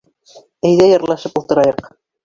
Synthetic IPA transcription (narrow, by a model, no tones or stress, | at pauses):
æjðæjɑɾlˠɑʃɤpulˠt̪ɤ̆ɾɑjɤq